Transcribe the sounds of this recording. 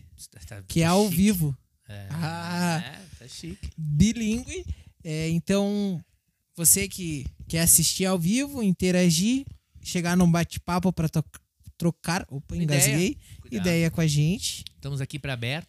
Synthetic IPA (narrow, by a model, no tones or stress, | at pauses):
t̪a̰kɪɛawvivʊ | ɛaɛt̪aʃikbilĩŋɡwɪɛẽt̪ɐ̃w̃ | vosekɪkɛasist͡ʃiɾawvivʊĩnt̪eɾaʒi | ʃeɡaɾnũbat͡ʃɪ̥papʊpɾɐ | t̪ɾokaɾopẽɡazlejid̪ɛjɐkõaʒẽnt͡ʃɪ̥st̪ɐ̃mʊzakipɾɐabɛɾt̪ʊ